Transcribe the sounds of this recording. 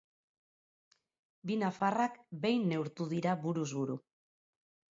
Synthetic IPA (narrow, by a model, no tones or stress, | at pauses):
binafarakbe̞jnːe̞wɾt̪uðiɾaβuɾuzβuɾu